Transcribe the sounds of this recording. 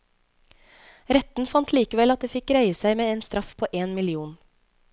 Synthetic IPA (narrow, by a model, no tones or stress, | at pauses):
ɾɛt̪n̩fɑnt̪ʰliːkəʋɛlɑt̪̚d̪eːfɪkɾœʏəsæɪmeːeːnst̪ɾɑfpʰoːʔeːnmɪlɪuːn